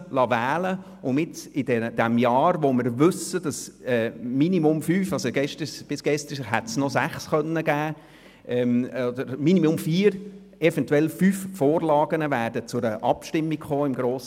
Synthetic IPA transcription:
lɑʋæːlə | ʔʊnɪt͡sɪd̥ɛd̥̪ɛmjɑːɾʋoməɾʋʏsəd̥ɑsɛːminimʊmfyːfɑsoɡɛʃtəb̥ɪsɡ̥ɛst̪əɦætsnɔsæχsχœnːəɡ̥æː | ʔɛmɔd̪əɾminimʊmfiːəɾ | ɛfɛntwɛlfyːffoːɾlɑːɡ̥ənəvæːrdət͡sʊɾəʔɑpʃtɪmːikχoːɪmɡɾoːs

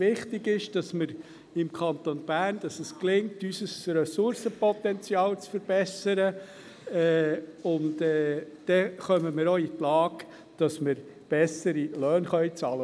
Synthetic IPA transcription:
ɪχtɪɡɪʃd̥ɑsməɾ | ɪmkʰɑnt̪onb̥æːrnd̥ɑsəsklɪŋtysəsrɛsʊɾsəpɔt̪ɛnt͡sjɑːlt͡sfəɾb̥ɛsəɾə | ɛːʊndɛːd̥ɛχœməmɪɾoːitlɑːk | d̥ɑsməɾ | b̥ɛsəɾilœːnχœʏt͡sɑːlə

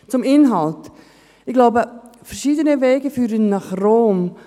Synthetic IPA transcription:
t͡sʊmɪnɦɑlt | ɪɡlaʊbəfɛɾʃiːdənəvɛːɡəfyːɾənnɑχroːm

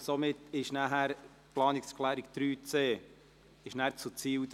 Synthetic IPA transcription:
somɪtɪʃnæɦæɾ | plɑːnɪkskʰlæːɾikt̪ɾyːt͡seː | ɪʃnæɾt͡sut͡siːl

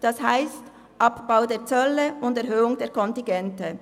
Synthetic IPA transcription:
d̥ɑshaɪst | ʔɑpb̥aʊdeːɐɾt͡sœlːəʊndɛɐɾɦøːʊŋdeːɾkʰɔntɪnɡɛntə

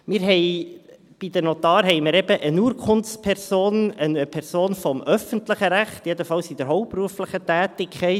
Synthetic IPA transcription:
mɪːɾɦɛɪ | b̥id̥̪ənɔt̪ɑːɾɦɛɪmɪɾɛbəʔənuːəɾkʰχʊnt͡spʰɛrsoːnənəpʰɛɾsoːnfɔmʔœfəntləχəɾæχt̪jedəfɑlsid̥̪əɾɦɔʊp̚pruəflɪχətæːtɪkʰχɛɪ

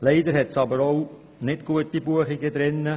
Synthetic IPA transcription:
lɛɪd̪əɾhɛtsɑbəɾow | nɪtɡ̥uətibuəχiɡəd̪ɾɪnːə

